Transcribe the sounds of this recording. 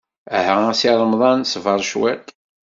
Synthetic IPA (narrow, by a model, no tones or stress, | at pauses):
æhææsiɾˤəmðˤɑnsvɑɾˤʃwɛ̰t̪ˤ